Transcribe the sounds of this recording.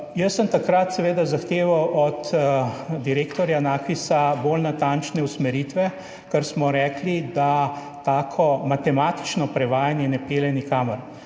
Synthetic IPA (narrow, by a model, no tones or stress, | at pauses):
jəsːəmt̪akɾat̪sɛʋeːd̪azaxt̪eːʋawʔɔt̪ | d̪iɾeːkt̪ɔɾjanaːkʋisabolnat̪ant͡ʃnɛusmɛɾit̪ʋɛ | kəɾsmɔɾɛːklid̪a | t̪aːkʰɔmat̪ɛmat̪i̥t͡ʃnɔpɾɛʋaːjanjɛnɛpeːlɛnikaːməɾ